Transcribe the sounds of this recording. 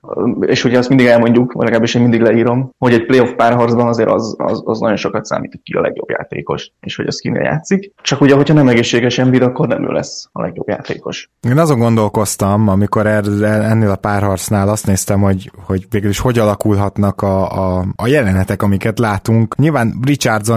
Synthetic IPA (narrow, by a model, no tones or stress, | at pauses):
ḛːʃhoɟʰɛːstmind̪iɡɛlmo̞ɲɟukvɒ̰ɟlɛɡlaːbeʃeːmind̪iɡlɛiːɾo̞mho̞ɟɛc̚pleːo̞fpaːrɦɒrd̪zbɒnɒzeːɾʔɒ̰zɒ̰zɒznɒ̰ɟo̞nʃo̞kɒt̪sa̰ːmḭːt̪ʰot̪kiɒ̰lɛ̰ɡjo̰bja̰ːt̪ḛːko̞ʃeːʃhoɟɛskinḛːlja̰ːt̪sikt͡ʃɒkuɟɛɦo̞chɒnɛmɛɡeːʃːeːɡɛʃɛɱvid̪ɒkːo̞rnɛ̰mø̰ːlʔɛ̰sɒlɛɡjo̞bja̰ːt̪ḛːko̞ʃ | eːnɒzo̞ŋɡo̞nd̪o̞lko̞st̪ɒmɒmiko̞ɾɛrɛlɛnːeːlɒpaːrɦɒrt̪snaːlɒst̪neːst̪ɛmho̞ɟho̞ɟveːɡyliʃho̞ɟɒlɒkulɦɒt̪nɒkɒː | jɛlɛnɛt̪ɛkɒmikɛt̪laːt̪uŋkɲilvaːnrit͡ʃard̪zo